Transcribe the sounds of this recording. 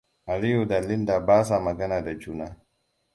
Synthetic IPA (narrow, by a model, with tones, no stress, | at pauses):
a˨li˦ju˨da˨li˦nda˨baː˦s̬a˨ma˨ɡa˦na˨da˨d͡ʒu˦na˦